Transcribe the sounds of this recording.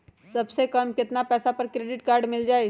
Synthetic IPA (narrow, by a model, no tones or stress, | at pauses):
sɐbsekɐmkɪt̪napɛːsapɐɾkɾeːɖɪʈkaːɾɖmɪld͡ʒaːe